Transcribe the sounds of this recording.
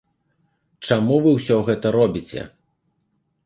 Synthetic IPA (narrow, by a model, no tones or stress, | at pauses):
t͡ʂamuvɨwsʲɔɣɛt̪ɐɾɔbʲit͡sʲɛ̰